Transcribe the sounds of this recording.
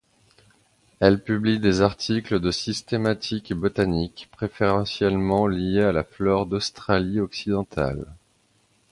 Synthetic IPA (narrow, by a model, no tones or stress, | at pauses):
ɛlpyblid̪ezaʁt̪ʰikləd̪əsist̪emat̪ʰikbɔt̪anikpχefeʁɑ̃sjɛlmɑ̃liealaflɔʁd̪ɔst̪χaliɔksid̪ɑ̃t̪a̰l